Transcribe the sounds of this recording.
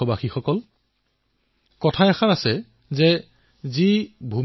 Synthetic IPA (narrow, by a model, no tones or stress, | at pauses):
ɔbaxixɔkɔl | kɔtʰajaxanasɛ | zɛ | zibʱu